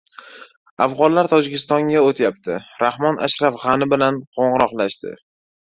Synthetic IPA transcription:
afʁɒnlaɾt̪ʰɒd͡ʒɪkʲɪst̪ɒŋɡʲaot̪ʰjap̚t̪ʰɪɾahmɒnʔa̰ʃɾafʁɑnɪbɪlanqʰoɴʁɨɾɒqlaʃt̪ɪ̰

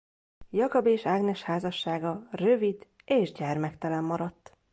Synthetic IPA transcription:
jɒkɒbeːʃaːɡnɛʃhaːzɒʃːaːɡɒrø̞vid̪ | eːʒɟɛrmɛkt̪ɛlɛmːɒɾɒt̪ː

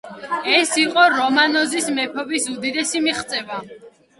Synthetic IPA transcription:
ɛsiqʼɔɾɔmanɔzismɛpʰɔbisud̪id̪ɛsimiχt̪sʼɛva

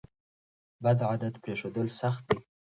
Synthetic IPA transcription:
bad̪ʕad̪ad̪pɾeʂod̪əlsaxt̪̚d̪i

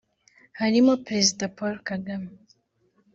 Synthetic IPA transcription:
hanimopɾezid̪apɔɾkaɡam

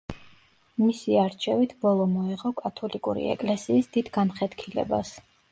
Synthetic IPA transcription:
misiaɾt͡ʃʰɛvit̪ʰbɔlˠɔmɔiʁɔkʼat̪ʰɔlikʼuɾḭɛ̰kʼlɛsiːsd̪̥id̪ɡamχɛd̪̥kʰilɛ̰bas

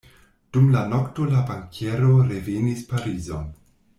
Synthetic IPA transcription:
d̥umlano̞ktolabaŋkʰe̞ɾoɾevenispaɾizo̰

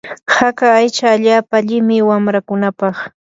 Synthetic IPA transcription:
hakaːjt͡ʃaːʎaːpaʎɪmɪwamɾakʊnapɑχ

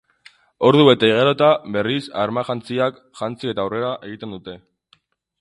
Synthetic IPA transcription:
o̞ɾðue̞t̪aiɣeɾot̪aβe̞risaɾmaʝant͡siak | ʝant͡sie̞t̪aːwre̞ɾaʔe̞ɣ̞it̪e̞nd̪ut̪e̞

